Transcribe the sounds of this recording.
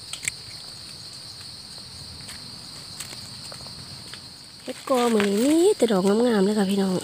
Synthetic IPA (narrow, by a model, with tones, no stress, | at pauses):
he˦kɔː˧mɯ˨mi˧˥˦t̪ɛ˧dɔː˨˩k̚ŋa˧˦mŋaː˧˩˨mla˧˦ka˨˩pʰi˧˨nɔː˨˩ŋ